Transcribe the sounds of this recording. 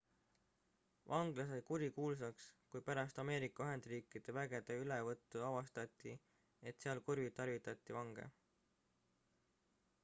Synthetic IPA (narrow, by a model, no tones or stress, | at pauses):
vɑŋɡ̥lɑs̬ejkuɾikuːls̬ɑkskujpæɾɑst̪ɑme̞ːɾikːˑɑyɦe̞nd̪̥riːkːˑid̪̥e̞væɡ̥e̞d̪̥eylevɤt̪ːˑuɑvɑst̪ɑt̪ːˑi | e̞t̪seɑlkurvit̪ɑrvit̪ːˑɑt̪ʲˑːivɑŋɡ̥e̞̰